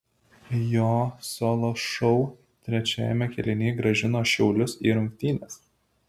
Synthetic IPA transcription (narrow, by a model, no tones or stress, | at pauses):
joːsoːlˠoːʃɔʊ | t̪ʲɾʲɛt͡ʃʲæ̰ːjɛmʲɛkʲɛlʲɪnʲeːɡɾɐʒʲɪnoːʃʲɛʊlʲʊsḭːɾʊŋʲkt̪ʲiːnʲɛs